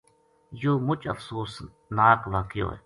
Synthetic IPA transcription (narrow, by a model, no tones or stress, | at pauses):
joːmʊt͡ʃɐ̰fsuːs | naːkʋaːkɪjo̰ːḛ